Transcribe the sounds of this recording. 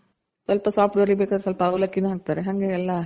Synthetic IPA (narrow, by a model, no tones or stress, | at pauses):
sɐlpɐsaːfʈʋɐɾibeːkaːɾesɐlpɐːʋlɐkːinãaːk̚t̪aːɾeɐŋɡeːɛlːã